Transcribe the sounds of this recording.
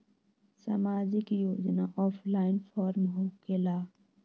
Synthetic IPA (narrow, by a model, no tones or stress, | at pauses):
sa̰maːd͡ʒɪkjoːd͡ʒnaʔɔːpʰlaːɪnfʰɔːɾmɦokelaː